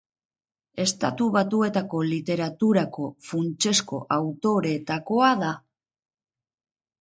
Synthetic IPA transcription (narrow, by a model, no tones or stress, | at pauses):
e̞st̪a̰t̪uβ̞at̪ue̞t̪ako̞lit̪e̞ɾat̪uɾako̞funt͡ʃe̞sko̞̰ʔawt̪o̞ɾe̞t̪ako̞aða